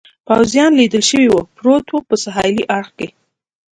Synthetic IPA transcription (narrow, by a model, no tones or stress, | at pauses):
pawzjɑnlid̪əlʃəwiwupɾot̪wupəsaɦɑjliʔɑɽxke